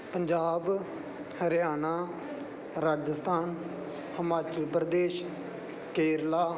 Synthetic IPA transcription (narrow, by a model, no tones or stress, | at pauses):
pəɲd͡ʒaːb | ɾɪjaːnaː | ɾaːd͡ʒəst̪ʰaːn | həmaːt͡ʃəlpɾd̪eːʃ | keːɾlaː